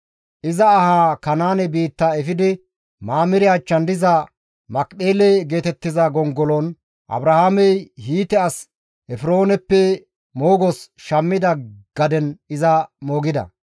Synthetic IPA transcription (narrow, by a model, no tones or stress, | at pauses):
ʔɪzɐːhaːkɐnaːnɛbiːt̪ːaɛfɪd̪ɪ | maːmɪɾɪjaːt͡ʃːɐnd̪ɪzɐ | mɐkʼɗeːleɡe̞ːt̪ɛt̪ːɪzɐɡɔŋɡɔlon | ʔɐ̰bɾɐhaːmɛjhiːt̪ɛɐs | ɛfɪɾo̞ːnɛpːɛ | moːɡɔsʃɐmːɪd̪ɐɡ̥ɐd̪ɛnɪzɐmo̞ːɡɪd̪ɐ̰